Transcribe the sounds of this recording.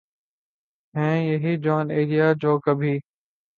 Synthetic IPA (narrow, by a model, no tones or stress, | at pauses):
ɦɛ̃ːjɐɦiːd͡ʒɔːneːɾijaːd͡ʑoːkəbʱiː